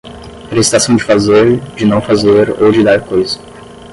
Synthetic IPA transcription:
ɾest̪asɐ̃w̃d͡ʒɪfazeɾd͡ʒɪnɐ̃w̃fazeɾo̰wd͡ʒɪd̪aɾkojzɐ̥

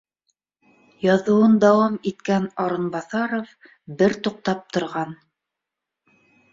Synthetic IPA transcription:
jɑðŏwɤnd̪ɑwɑmit̪kænɑɾɤ̆nbɑθɑɾof | bɘɾt̪uq̚t̪ɑp̚t̪ŏɾʁɑn

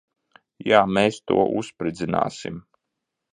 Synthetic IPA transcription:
jaːmeːst̪ṵɔʔṵspɾid̪zina̰ːsḭm

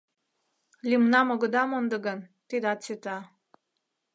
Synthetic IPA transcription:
lʲimnɑmoɣə̆d̪ɑmond̪ə̆ɡənt̪id̪ɑt̪t͡set̪ɑ

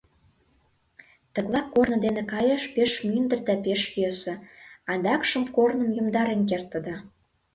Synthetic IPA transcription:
t̪ə̆klˠɑkːornə̆d̪enĕkɑjɑʃpeʃmynd̪ə̆rd̪æpeʃjøsə̆ɑnd̪ɑkʃə̆mkornə̆mjumd̪ɑɾenk̬ert̪ːə̆d̪ɑ

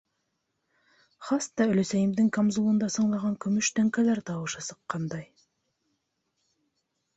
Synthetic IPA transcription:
χɑst̪ːɑɵ̆lɵ̆sæjimd̪ɪŋkamzulˠɤ̆nd̪ɑsɤ̆ɴlˠɑʁɑŋkɵ̆mɵʃt̪æŋkælæɾt̪ɑwɤʃɑsɤ̥̆qːɑnd̪ɑj

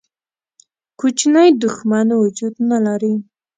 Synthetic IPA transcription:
kut͡ʃnajd̪ʊxmanwʊd͡ʒud̪nalaɾi

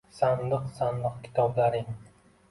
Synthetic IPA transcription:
sand̪ɨqsand̪ɨqkʲʰɪ̥t̪ʰɒblaɾɪŋ

